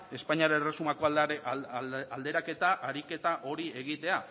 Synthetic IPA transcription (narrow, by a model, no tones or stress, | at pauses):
e̞spaɲiaɾeresumako | ald̪e̞ɾake̞t̪aʔaɾike̞t̪aʔo̞ɾie̞ɣit̪e̞a